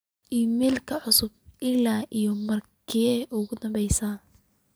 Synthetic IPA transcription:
ʔiːmɛːlkʰɐʕʊsʊb̚ɪlaːʔijɔmɐrkʰiːɛʔʊɣʊd̪ɐmbɛjsaː

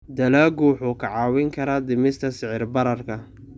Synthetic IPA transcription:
d̪ɐlaːɡuːħʊkʰɐʕɑːwɪŋkʰɐɾɐd̪ɪmɪst̪ʰɐsɪʕɪrbɐɾɐrkʰɐ

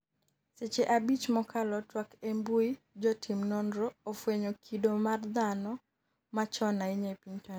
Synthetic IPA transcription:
set͡ʃeʔabit͡ʃmɔkʰalɔtwakembui | d͡ʒɔtʰimnɔndɾoːfweɲokʰidomard̪anɔ | mat͡ʃɔnaɪɲepiɲta

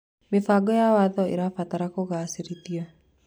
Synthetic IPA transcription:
mbefaɡɔjawaðɔḭɾafat̪aɾakoɣaːsiɾit̪ia

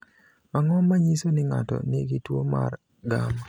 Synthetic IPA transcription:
maŋɔmːaɲisonɪŋa̰tɔ̰nɪɡɪtwoma̰r | ɡa̰m

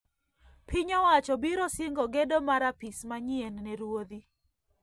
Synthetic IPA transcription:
pʰɪɲɔwat͡ʃɔbiɾɔsɪŋɡɔɡedɔmaɾapismaɲiɛnnɛɾwod̪i

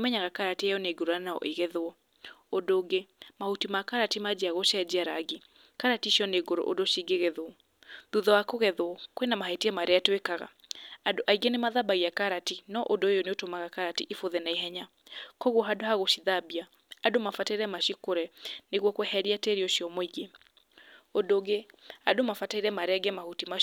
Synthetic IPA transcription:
mɛɲaɣakaɾatiajɔneɡoɾoanaɔ̰ʔeɣɛðwɔ | ondoɡemahutimakaɾatimad͡ʑiaɣoʃɛd͡ʑiaɾaɡi | kaɾatiɕiɔneɡoɾo̰ʔo̰doʃiɡeɣeðo | ðuðɔwakoɣɛðwɔkwenamahetiɛmaɾeatwekaɣa̰ːdoʔaiɡenemaðabaɣiakaɾatinɔʔodoejoneotomaɣakaɾatiʔifoðɛnaiɦɛɲa | kɔɣwɔɦadohaɣoʃiðabiaː | domafataiɾɛmaʃikoɾɛneɣwɔkwɛhɛɾiateɾiɔʃiɔmɔiɣe | odoɣeadomafataiɾɛmaɾeɛɡɛmahutima

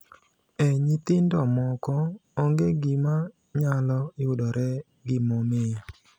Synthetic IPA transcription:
ɛɲit̪ɪndɔmɔkɔoŋɡeɡima | ɲalɔɪʊdɔɾɛ | ɡɪmomɪja

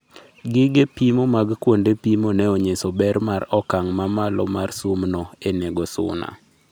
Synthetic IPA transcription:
ɡɪɡepimomaɡkwondepimonɛɔɲesɔbɛɾmaɾɔkaŋmamalɔmarsumnɔeneɡosʊ̰na̰

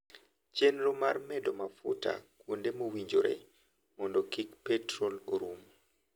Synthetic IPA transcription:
t͡ʃenɾomarmɛdɔmafʊ̰ta̰kwondemowiɲd͡ʒoɾḛ | mɔndokikpɛtrɔloɾum

